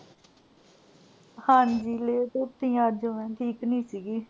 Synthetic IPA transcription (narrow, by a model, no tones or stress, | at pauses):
hãːnd͡ʒiːleːt̪ot̪ːĩːaːd͡ʒoʋɛ̃ːʈʰiːknĩːsiːɡiː